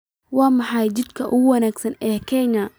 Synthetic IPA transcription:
wɑːmɑħɑjt͡ʃɪd̪kʰɐʔʊwɐnaːɡsɐnɛːkʰɛnɐ

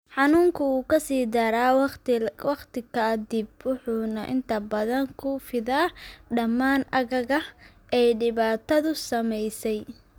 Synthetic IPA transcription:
ħɑnuːŋkʰʊuːkʰɐsiːd̪ɐɾaː | wɑqt̪ɪkʰɐd̪ib̚wʊħuːnɐʔɪ̰nt̪ʰɐbɐðɐŋkʰʊfɪðaːɖɐmːaːnɐɣɐɣɐ | ʔɛjɖɪβaːt̪ʰɐðʊsɐmɛjsɛj

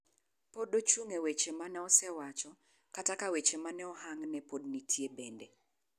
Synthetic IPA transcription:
podot͡ʃuŋewet͡ʃemanɛɔsɛwat͡ʃɔ | katakawet͡ʃemanɛɔhaŋnɛpodnitʰjebende

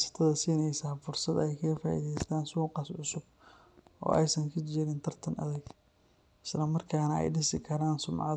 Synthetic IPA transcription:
sɐ̥t̪ʰɐðɐsiːnɛjsaːfʊrsɐd̪ɛjkʰɐɡɐfaːʔḭːðɛjst̪ʰaːnsuːqɑsʕʊsʊb | ʔɔ̰ːɛjsɐŋkʰɐt͡ʃɪɾɪnt̪ʰɐrt̪ʰɐnʔɐ̰ðɛɡ | ɪ̥slɐmɐrkʰaːnɐɛ̰jɖɪsɪkʰɐɾaːnsʊmʕɑ̰

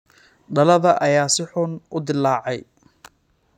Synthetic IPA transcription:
ɖɐlɐðɐʔɐjaːsɪħʊnʔʊd̪ɪlːaːʕɛj

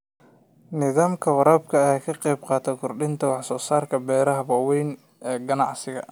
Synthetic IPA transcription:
nɪðaːmkʰɐwɐɾaːb̚kʰɐjaːkʰɐqɑjbqɑːt̪ʰɛkʰʊrɖɪnt̪ʰɐwɑħsɔːsaːrkʰɐbɛːɾɐɦɐbɐːwɛjn | ɛːɡɐnɑʕsɪɣɐ̰

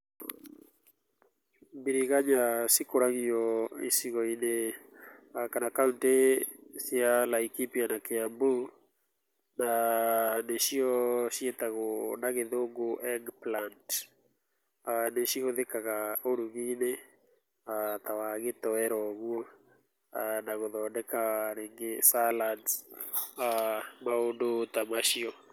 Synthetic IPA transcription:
biɾiɣaɲasikoɾaɣiɔḭsiɣɔine | akanakauntesjalaikipianakeambu | na | neʃiɔʃiet̪aɣɔnaɣeðoŋɡoʔɛŋɡplant | aneʃioðekaɣaoɾuɣine | at̪awaɣetɔɛɾɔɣwɔ | anaɣoðɔndɛkaɾeŋɡesalad | amaondot̪amaʃiɔ

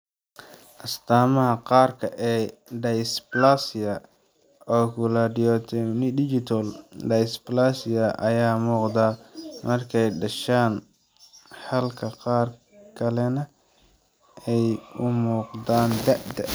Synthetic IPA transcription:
ʔɐst̪ʰaːmɐɦɐqɑːrkʰɐʔɛːɖɐjsplasɪɐ | ɔːkʰʊlɐdɪɔt̪ʰɔnɪdɪt͡ʃɪt̪ʰɐldɐjsplasɪɐʔɐjaːmuːqd̪aːmʔɐrkʰɛjɖɐʃaːn | ħɐlkʰɐqɑːr | kʰɐlɛnɐ | ɛjʊmuːqd̪aːnd̪ɐʔd̪ɐ

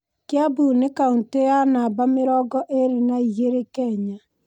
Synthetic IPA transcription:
kjabunekauntejanaːbameɾɔɡɔʔeɾenaijeɾekɛɲa

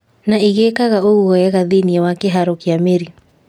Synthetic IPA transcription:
naiɣeːkaɣaoɣuɣɔjaɣaðiniɛwakeɦaɾokiameɾi

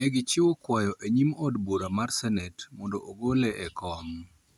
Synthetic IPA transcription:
ɛɡɪt͡ʃɪwokwajɔʔeɲimɔdboɾamarsɛnɛtmɔndɔʔoɡolɛʔɛkɔŋ

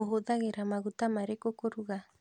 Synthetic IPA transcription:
oɦoðaɣeɾamaɣut̪amaɾekokoɾuɣa

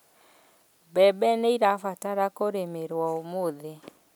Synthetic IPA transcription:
bɛbɛneiɾafataɾakoɾemeɾwɔomoðe

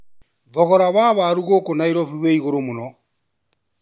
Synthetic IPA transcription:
βɔɣɔɾaβaβaɾuɣoːkonaiɾɔβiβeiɣoɾomonɔ

